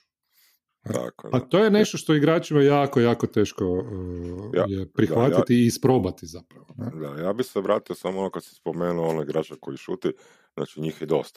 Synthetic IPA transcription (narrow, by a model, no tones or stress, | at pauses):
t̪a̰ko̰pat̪o̞jene̞ʃt̪oʃt̪oiɡɾaːt͡ʃimajaːkojaːko̞t̪e̞ːʃko | j̰jepɾixʋat̪it̪iːspɾo̞bat̪izapɾaʋoned̪ajaːbixseoʋɾaːt̪iosamonokad̪si̥spomeːnuoonoiɡɾat͡ʃakojiʃuːt̪i | za̰t͡ʃiɲiːxjɛd̪o̞̰st̪ḁ